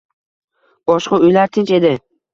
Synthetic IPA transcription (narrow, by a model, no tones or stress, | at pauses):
b̥ɒʃqaʊjlaɾt̪ʰɪnʲt͡ʃe̞d̪ɪ